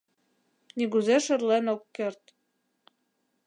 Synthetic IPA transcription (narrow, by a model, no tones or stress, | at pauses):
niɣuzeʃɘ̆rlenokːert̪